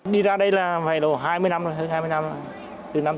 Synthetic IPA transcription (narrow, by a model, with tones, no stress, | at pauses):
ɗi˧zaː˧ɗə˧jlaː˨˩va˨˩lo˧˩ɦaː˧jmɨ˧əjna˧mno˨˩jɦəː˧haː˧jmɨ˧jna˧m˧ | t̪ɨ˨˩na˧m